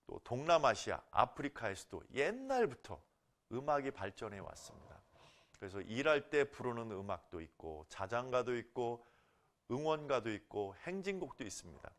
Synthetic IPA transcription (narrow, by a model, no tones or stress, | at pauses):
t͈o̰toŋnamaɕʰia̰a̰pʰɯɾikʰaesʰʌ̥d̥o̰je̞nːaɭbutʰʌ̰ | ɯmaɡipaɭt͡ɕ͈ʌnɦe̞wa̰s͈ɯmɲḭda | kɯɾe̞sʰʌʔiɾaɭt͈e̞puɾonɯnɯmak̚t͈oit̚k͈o̰t͡ɕad͡ʑaŋɡadoit̚k͈o | ɯŋwʌnɡadoit̚k͈ohe̞ŋd͡ʑiŋɡok̚t͈ois͈ɯmɲida̰